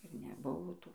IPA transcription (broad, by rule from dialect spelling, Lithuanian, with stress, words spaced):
ɪr nʲɛˈbʊʋoː ˈtuː